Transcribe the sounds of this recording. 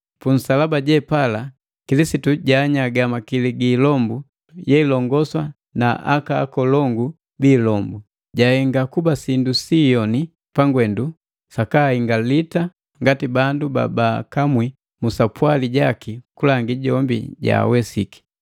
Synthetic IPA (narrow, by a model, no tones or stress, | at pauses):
pun̩salabaɟɛpala | kilisituɟaɲaɡamakiliɡiːlɔmbu | jɛilɔŋɡɔswa | naʔa̰ka̰ːkɔlɔŋɡu | biːlɔmbu | ɟahɛŋɡakubasindusijɔni | paŋɡwɛndu | sakaiŋɡalita | ŋɡatibanduba̰bakamwi | musapwaliɟakikulaŋɡiɟɔmbḭɟa̰wɛsiki̥